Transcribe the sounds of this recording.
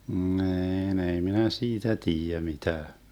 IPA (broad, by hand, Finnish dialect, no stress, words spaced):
ni̯ːn ei minæ siːtæ tiːjæ mitæː